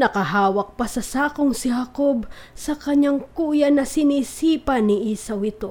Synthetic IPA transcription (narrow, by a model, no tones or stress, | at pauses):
nɐkɐɦaːwɐk̚pɐsɐsaːkoŋsɪɦɐkobsɐkɐɲaŋkuːjɐnɐsɪniːsiːpɐnɪʔisɐwɪt̪o̞